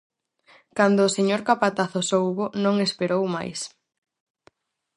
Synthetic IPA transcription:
kand̪ʊːseɲoɾkapat̪aθʊsowβʊnõŋespeɾowma̰js

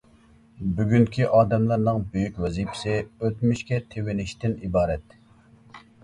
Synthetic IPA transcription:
byɡʲyŋkʲʰiʔɑːd̪ɛmlˠɑɾnɨŋbøjykʲwɛzipʰɪ̥sɪøt̪myʃkʲɛt̪ʰewɪnɪʃt̪ɪnibɑːɾɛt̪

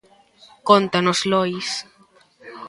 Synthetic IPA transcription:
kont̪anozlojs

